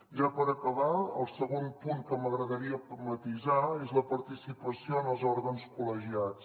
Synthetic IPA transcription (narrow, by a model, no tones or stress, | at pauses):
ʒapəɾəkəβaə̰lˠsəɣonpuŋkəməɣɾəðəɾiəut̪mət̪izaezləpəɾt̪isipəsioənəlˠzɔɾɣənskuləʒiat͡s